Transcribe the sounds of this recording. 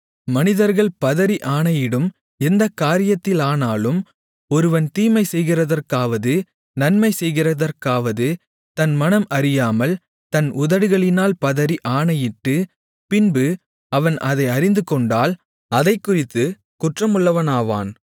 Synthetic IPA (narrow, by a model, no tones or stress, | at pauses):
mɐnɪðɐɾɣɐɭpɐðɐɾiʔaːɳɐjɪɽɯm | ɛnd̪ɐkːaːɾɪjɐt̪ːɪlaːnaːlɯm | ɔɾɯʋɐnt̪iːmɐɪsɛjɣɪrɐðɐrkaːʋɐðɯ | nɐnmɐɪsɛjɣɪrɐðɐɾkaːʋɐðɯ | t̪ɐnmɐnɐmʔɐɾɪjaːmɐl | t̪ɐnʊðɐɽɯɣɐɭɪnaːlpɐðɐɾiʔaːɳɐjɪʈːɯ | pɪnbɯ | ɐʋɐnʔɐðɐɪɐɾɪnd̪ɯkɔɳɖaːl | ɐðɐɪkːʊrɪt̪ːɯ | kʊʈrɐmɯɭːɐʋɐnaːʋa̰ːn